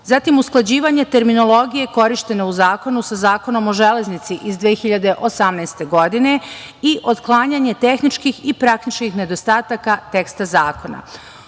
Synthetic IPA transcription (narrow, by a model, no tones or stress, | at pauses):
zat̪imusklˠad͡ʑiːʋaɲe̞t̪e̞ɾmino̞lˠo̞ɡije̞ko̞ɾiʃt̪e̞ne̞uzaːko̞nusazaːko̞no̞mo̞ʒe̞le̞znit̪siʔizd̪ʋeːxiʎad̪e̞ʔosamnɛjst̪e̞ɡo̞d̪ine̞ | iʔo̞d̪klˠaːɲaɲe̞t̪e̞xnit͡ʃkixipɾakt̪it͡ʃkixne̞d̪o̞st̪aːt̪akat̪e̞kst̪azaːko̞na̰